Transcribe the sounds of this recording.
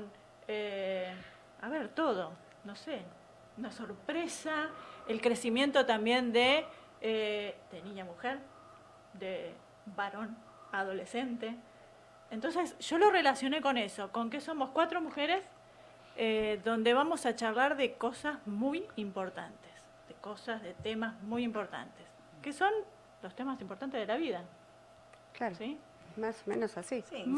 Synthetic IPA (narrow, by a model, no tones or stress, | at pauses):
n | e | aβeɾt̪o̞ð̞o̞ | nose | unaso̞ɾpɾesaelkɾesimje̞nt̪ot̪ambje̞nd̪e | ed̪eniɲamuxeɾ | d̪e | βaɾo̞n | aðo̞lese̞nt̪eː | nt̪o̞nsesʒ̥o̞lo̞relasjo̞ne̞ko̞neso̞ko̞ŋkeso̞mo̞skwat̪ɾo̞muxeɾes | eðond̪eβamo̞sat͡ʃaɾlaɾðeko̞sazmujimpo̞ɾt̪a̰nt̪e̥s | ð̥eko̞sazðet̪emazmujimpo̞ɾt̪a̰nt̪es | keso̞n | lo̞st̪emasimpoɾt̪ant̪eðelaβiða | klaɾosi | masomẽnosasi